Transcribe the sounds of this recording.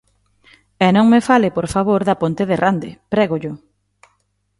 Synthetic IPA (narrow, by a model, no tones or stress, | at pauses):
ɛnõŋmefalɪpoɾfaβ̞oɾðɐpont̪eðerand̪ɪpɾɛɣʊʎʊ